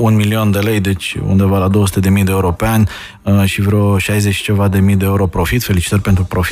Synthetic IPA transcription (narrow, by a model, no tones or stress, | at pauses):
unmilio̞nd̪e̞le̞jd̪e̞t͡ʃʲṵnd̪e̞valad̪o̞wəsu̥t̪ed̪e̞mijd̪eeuɾo̞peanʲ | ʃivɾeoʃajzet͡ʃʃt͡ʃe̞vad̪e̞mijd̪e̞uɾo̞pɾo̞fit̪fe̞lit͡ʃi̥t̪ərʲpe̞nt̪ɾupɾofi̥